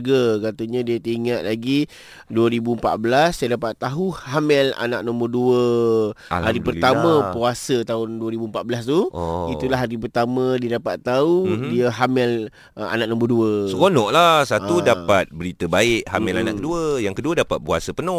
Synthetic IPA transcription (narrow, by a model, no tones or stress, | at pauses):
ɡəkat̪aɲãdiat̪iŋaʔ̪̚laɡi | duəɾibuəmpat̪̚bəlasajadapat̪ːaɦuhamɛla̰naʔ̚nɔ̃mbərduə̰ | haɾipəramə̃puasət̪aʊnduəɾibuəmpat̪̚bəlast̪uit̪ulaɦaɾip̬ərt̪amə̃diadapat̪ːaudiaɦamɪl | a̰naʔ̚nɔ̃mbərduəsəkonɔʔlasat̪udapat̪̚bəɾit̪əbaɪʔhamɛlana̰ʔkəduəjaŋkəduədapat̪̚pua̰səpənɔ̃